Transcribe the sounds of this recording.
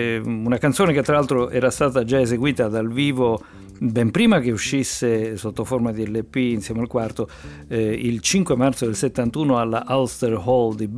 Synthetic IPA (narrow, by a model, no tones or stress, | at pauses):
unakant̪soːneket̪ːɾalalt̪ɾoʔɛ̰ːɾast̪aːt̪ad͡ʒaezeɡwiːt̪ad̪alviːvo | bɛmpɾiːmakeuʃːisːesot̪ːoformad̪iɛlːepːiinsjɛːmealkwart̪o | ilt͡ʃiŋkwemart̪sod̪elset̪ːant̪uːnoalːaʔalst̪erhɔld̪ib